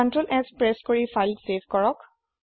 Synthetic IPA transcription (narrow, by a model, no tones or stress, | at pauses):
ɔntɹolʔɛkspɹɛskoɹifʰajldsebʱkɔɹɔk